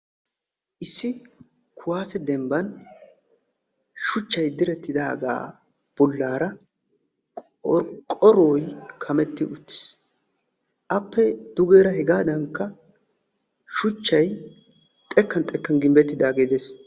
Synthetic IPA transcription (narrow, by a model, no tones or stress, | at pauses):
ʔɪsːɪ | kʰʊwaːsɛd̪ɛmbɐn | ʃʊt͡ʃːɐjd̪ɪɾɛt̪ːɪd̪aːɡa̰ː | b̥ʊlːaːɾɐ | kʼɔɾoːjkʰɐmɛt̪ːɪʔʊt̪ːɪ̥s | ʔɐpːɛd̪̥ʊɡeːɾɐɦɛɡaːd̪ɐŋkːɐ | ʃʊt͡ʃːɐj | t̪ʼɛkːɐnt̪ʼɛkːɐnɡɪmbɛt̪ːɪd̪aːɡeːd̪es